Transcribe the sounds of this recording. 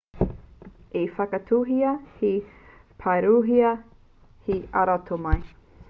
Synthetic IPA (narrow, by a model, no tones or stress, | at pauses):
efɐkɐtʰuɦiɐhipʰɐɾuːɦiɐ | hiɐɾɐtʰomɐj